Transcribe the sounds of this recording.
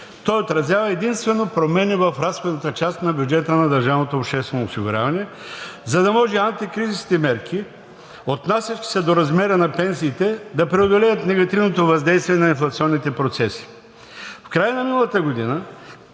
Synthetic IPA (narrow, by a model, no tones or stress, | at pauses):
t̪ɔjot̪ɾɐzʲjavəɛd̪inst̪vɛnopɾomɛnivɐfɾasxod̪nɐt̪ət͡ʃast̪nɐbjud͡ʒɛt̪ənɐd̪ɐɾʒavnot̪oːpʃt̪ɛst̪vɛnosiɡʊɾʲa̰vɐnɛ | zɐd̪ɐmɔʒɛant̪ikɾiziskʲit̪ɛmɛɾkʰi | ot̪nasʲət͡ʃki̥sɛd̪oɾɐzmɛɾənɐpɛnsiːt̪ɛd̪ɐpɾɛod̪olɛjət̪nɛɡɐt̪ivnot̪ovɐzd̪ɛjst̪viɛnɐinflˠɐt̪siɔnːit̪ɛpɾot̪sɛsi̥ | fkɾajənɐminɐlˠɐt̪əɡod̪inə